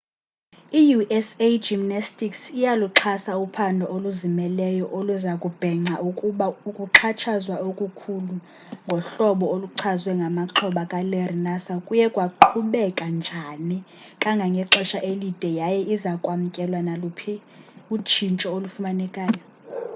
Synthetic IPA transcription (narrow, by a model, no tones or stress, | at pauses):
ijuʔɛsed͡ʒimnastʼiksijaluǁʰasaupʰandʱɔʔoluzimɛlɛjɔʔoluzakʼub̥ʱɛŋ͡ǀʱaukʼuɓaukʼuǁʰat͡ʃʰazwaokʼukʰulu | ŋɡʱɔɬɔɓɔoluǁʰazwɛŋɡʱamaǁʰɔɓakʼalɛrinasakʼujɛkʼwaǃʰuɓɛkʼand͡ʒʱani | kʼaŋɡʱaŋɡʱɛǁɛʃaʔelid̥ʱɛjajɛʔizakʼwam̩kʼɛlwanalupʰiut͡ʃʰint͡ʃʼɔolufumanɛkʼaːjɔ